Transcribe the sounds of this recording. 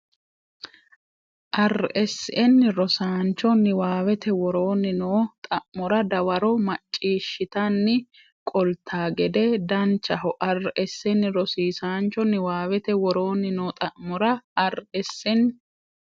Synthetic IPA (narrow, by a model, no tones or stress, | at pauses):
ʔɐrʔɛsːɪʔɛnːɪɾɔsaːnt͡ʃːɔnɪwaːwɛt̪ɛwɔɾo̞ːnːɪnoːt̪ʼɐʔmɔɾɐd̪ɐwɐɾɔmɐt͡ʃʼːiːʃːɪt̪ɐnːɪ | kʼɔlt̪ʰːaːɡɛd̪ɛd̪ɐnt͡ʃːɐɦɔʔɐrːʔɛsːɛnːɪɾɔsiːsaːnt͡ʃːɔnɪwaːwɛt̪ɛwɔɾo̞ːnːɪnoːt̪ʼɐʔmɔɾɐɐɾɛsːɪn